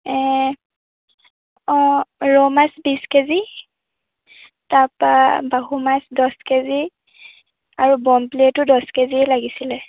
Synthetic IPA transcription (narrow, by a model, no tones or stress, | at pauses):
ɛ | ɔɹɔmasbiskezi | tapabaɦumasdɔskezi | aɹubɔmpliɛtʊdɔskeziɛlaɡisilɛ